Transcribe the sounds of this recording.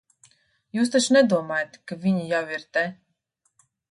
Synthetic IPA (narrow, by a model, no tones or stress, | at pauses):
juːs̬t̪at͡ʃnɛd̪uɔmaːjat̪kavʲiɲʲijawiɾt̪ɛ